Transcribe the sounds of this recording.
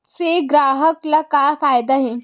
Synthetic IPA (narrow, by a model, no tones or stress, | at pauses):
seɡɾaːɦəklakafajd̪aɦe